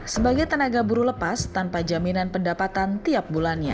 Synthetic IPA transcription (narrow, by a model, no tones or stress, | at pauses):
səbaɡajt̪ənaɡabuɾuləpast̪anpad͡ʒaminanpəndapat̪ant̪iap̚bulanɲa̰